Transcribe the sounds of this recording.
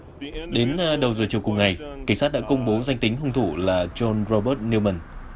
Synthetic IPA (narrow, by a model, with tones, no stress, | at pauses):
ɗe˨˦n˧ɗə˨˩wzɨː˨˩t͡ɕi˨˩əwkʊ˨˩ŋ͡mŋa˨˩jka̰˧˩ŋ̟saː˦˥t̚ɗa̰ː˧˥kə˧wŋ͡mɓo˨˦za˧jŋ̟t̪ï˨˦ŋ̟ɦə˧wŋ͡mt̪ʰu˧˩laː˨˩t͡ɕɔ˧nzɔ˧ɓə˦˥t̚ni˧wmə˧˩n